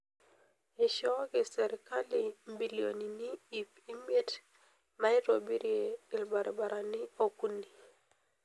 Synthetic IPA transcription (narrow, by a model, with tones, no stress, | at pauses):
ɪ˨ʃɔ˦ɡɪ˨sɛ˨ɾɪ˨ka˦li˨mbi˨lio˨ni˨nɪ˦i˨pi˦me˦t | na˦ɪ˦ɾo˨bi˦ɾje˨ɪ˨lba˨ɾɪ˨ba˨ɾa˨nɪ˦o˦ku˦ni˨